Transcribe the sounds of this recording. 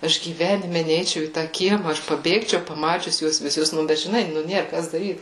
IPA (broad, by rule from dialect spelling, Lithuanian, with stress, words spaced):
ˈɐʃ ɡʲiːˈʋʲæːnʲɪmʲɛ ˈnʲɛɪt͡ʃʲɛʊ iː ˈtɑː ˈkʲiɛmɐ ˈɐʃ pɐˈbʲeːkt͡ʃʲɛʊ pɐˈmɑːt͡ʃʲʊs ˈjuɔs ʋʲɪˈsʊs ˈnʊ ˈbʲɛt ʒʲɪˈnɐɪ ˈnʊ ˈnʲeːr ˈkɐs dɐˈrʲiːt